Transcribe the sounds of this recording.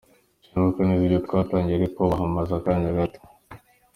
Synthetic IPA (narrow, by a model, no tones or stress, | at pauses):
t͡ʃiɡukaniziɟotukataːɲɟiɾekoβaɦamazakaːndiaɡato̥